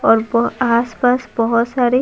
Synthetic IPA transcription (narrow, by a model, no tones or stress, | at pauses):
ɔɾbɔaspasbɔɦɔsaɾi